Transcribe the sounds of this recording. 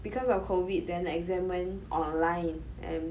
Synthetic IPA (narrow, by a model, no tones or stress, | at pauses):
b̥ikɔsɔfkʰovit̚dɛ̃nɛkzɛ̃mə̃nʔɔ̃nlãjn | ʔɛ̰̃n